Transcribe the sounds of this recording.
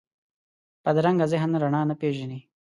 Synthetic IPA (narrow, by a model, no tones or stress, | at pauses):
pad̪ɾaŋɡazeɦanɾaɳɑːnapeʒani